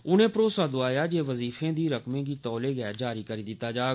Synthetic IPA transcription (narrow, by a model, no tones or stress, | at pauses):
ʊnẽːpɾoːsaːd̪ʊaːjaːd͡ʒeːʋəziːfẽːd̪iːɾəkmẽːkiːt̪ɔːleːɡɛd͡ʒaːɾiːkəɾiːd̪ɪt̪ːaːd͡ʒaːɡ